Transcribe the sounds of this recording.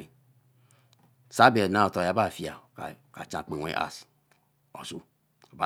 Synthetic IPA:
i˨ | sa˦be˨na˦˨o˨to˨ja˨ba˦˨fi˨a̰˨ka˨t͡ʃã˨k͡pe˨wʷḛ˦ʔa̰˨s | o̰˨su˦ | a˨ba˦

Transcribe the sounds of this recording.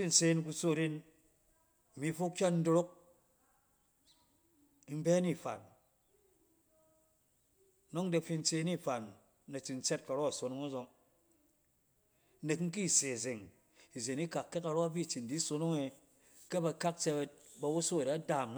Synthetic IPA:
i˦n̩˨se˦nku˧so˦˨ɾe˦n˨ | mi˨˦fo˦k̚t͡ʃa˦tn̩˦do˧ɾo˦k̚ | m̩˦be˦ni˦˨fa̰˨n | no˦ŋ˦de˧fi˧n̩˦t͡se˧˦ni˦˨fa˨nː | a˨t͡ʃi˨n̩˦t͡se˦t̚ka˨ɾo˦a˨so˨no˦ŋa˦zo˨ŋ˦ | ne˨kŋ̩˦k̬i˦˨se˨ze˨ŋ | i˨ze˨ni˦ka˨kːe˦ka˨ɾo˦a˦bi˦˨t͡ʃi˨n˨di˦so˧no˦ŋe˨ | ke˦ba˧ka˦k̚t͡ʃe˧be˦t̚ba˨wu˦so˦˨ɾe˨a˦da˨mn˦

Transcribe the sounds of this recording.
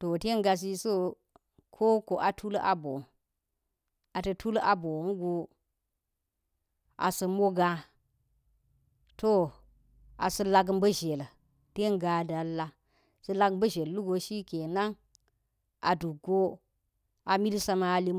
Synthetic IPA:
to˨te˦ɡa˨s̬i˦so˦ | kʰo˦ko˨ʔa˨tʰu˦la̰˨bo̰˨n | a˨tɐ˨tʰu˦la˨bo˨n˦ɡo˨ | a̰˨sə˨mo˦ɡã˦ | to˦ | a̰˨sə˦la˦ɡmbə˦ʒe˨l | te˦ŋɡa˨da˨lːa˦ | sə˦la˦ɡbə˦ʒe˨llu˦ɡo˨ʃi˦ke˨na˦ŋ | ʔa˨du˨ɡo˦ | a˨mi˦lsa˦ma˨li˦

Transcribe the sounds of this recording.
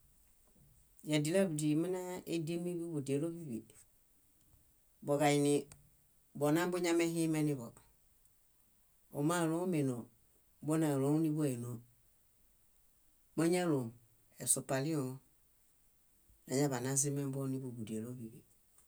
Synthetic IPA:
ja˨di˨lɛ˦bu˨di˨mi˦nã˦e˦de˦mi˦bu˦bu˨de˨lo˦bi˦bi˨ | bɔ˨ɡa˨ji˨nĩ˨ | bɔ˨nã˦bo˦ɲã˦mɛ˦ɦĩ˦mɛ˦ni˦bɔ˨ | o˨mã˦˨lõ˦me˨no˨ | bo˦nã˨lõ˨˦u˦nĩ˦bo˦ɛ˨no˨ | ma˦ɲɛ˦lo˨ | ɛ˨so˨pa˨lĩ˦o˨ | nã˨ɲɛ˦βa˨nã˦zi˦mɛ̃˦bɔ˦nĩ˦bu˨bu˨de˨lo˦bi˨bḭ˨

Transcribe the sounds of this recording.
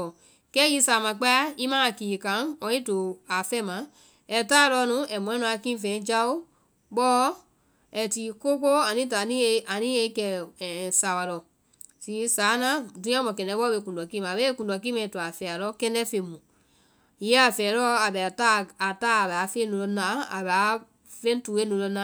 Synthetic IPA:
ɔ˨ | kɛ˦ji˧˦sa˨mã˧˨k͡pa˦a˦i˦mãː˦a˨ki˨i˨kã˨˦ɔ˧˦i˦do˨a˨fɛ˦˨mã˨˦ | ɛ˨taː˦˨˧lɔ˧nũ˧˦ɛ˨mɔ̃˨ɛ̃˦nũ˧˦a˧kĩ˦fɛ̃˨˦d͡ʒa˧˦o˦ | ɓɔː˦ | ɛ˧˨ti˨ko˦ko˦a˨nĩ˦ta˨nĩ˦e˧a˨nĩ˦e˧˦kɛ˧˨sa˨wa˨lɔ˨ | ti˨˦saː˨˦nã˦dũ˧˦ã˦mɔ̃˨kɛ̃˨ndɛ˧˦ɓɔ˦be˧kũ˨ndɔ˨kĩ˦mã˨be˦e˦kũ˨dɔ˨ki˦mɛ̃˧˨tu˨a˨fɛ˨a˨lɔ˧˦kɛ̃˧ndɛ˦fẽ˧˨mũ˨ | jɛ˦a˨fɛː˨lɔ˦a˨bɛ˨ta˦a˨taː˦a˨bɛ˨a˨˦fe˦nũ˧lɔ˧nã˦a̰˨ba˨˦ | fẽ˦tuː˨˦e˦nũ˨˧lɔ˧nã˦

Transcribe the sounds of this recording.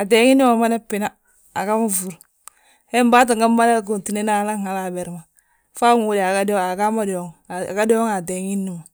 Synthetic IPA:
a˨de˨ŋi˦nːi˦ma˨ma˦ne˦pːi˨na˦ | a̰˨ka˦ma˦fu˨ɾ | he˦mba˦t̬i˨ŋɡa˦mba˦ne˦ɡo˨nti˨ne˦na˨˦la˦ha˨la˨be˨ɾma˨ | fa˦ŋ˨wu˦˨di˨a˨ɡa˦di˦o˨a˨ɡa˦ma˦di˨o˨˦ŋ̰˨ɡa˦di˦o˦ŋa˨de˨ŋi˦nːi˦ma˨

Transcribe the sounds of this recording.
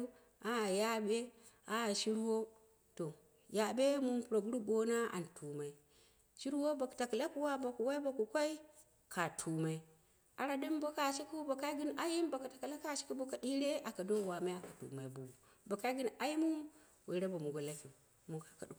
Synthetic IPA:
a˦a˨ja˦be˦ | a˦a˨ʃi˦ɾwo˦ | to˨ | ja˨be˦mu˦mpu˨ɾo˨ɡu˦ɾu˦bo˦na˦a̰˨ntʰu˨ma˨i˦ | ʃi˦ɾwo˦ba˨kta˨kla˦ku˦wa˦ba˨ku˨wa˦i˦bo˨ku˨kʷa˦i˦ | kʰa˨tʰu˨ma˨i˦ | a˨ɾa˨di˦mbo˦ka˨ʃi˦ku˦ba˨ka˦ɡi˦n˦ʔa˦ji˦mbo˨ka˨tḁ˨ka˨la˦ka˦˨ʃi˦ku˦bo˦ka˨di˦ɾe˦ʔa˨ka˨do˦˨wa˨ma˦a˨ka˨tṵ˨ma˨i˦bu˨ | bo˨ka˦ɡi˦n˦a˦ji˦mu˦ | we˨ɾe˦ba˨mu˨ɡo˨la˦ki˨m˨ | mu˨kḁ˨ka˨ɗu˨

